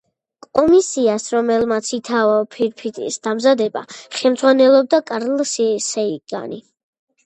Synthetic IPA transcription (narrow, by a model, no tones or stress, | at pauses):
kʼɔmisiasɾɔmɛlmat̪sʰit̪ʰavapʰiɾpʰit̪ʼḭsd̪amzad̪ɛba̰χɛmd̪zʁwanɛlˠɔb̚d̪akʼaɾlsisɛiɡ̥a̰ni